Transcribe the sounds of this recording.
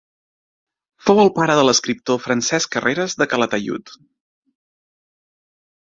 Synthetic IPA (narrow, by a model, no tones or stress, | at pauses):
fowəlˠpaɾəðələskɾip̚t̪ofɾənsɛskərʔeɾəzðəkələt̪əʎṵt̪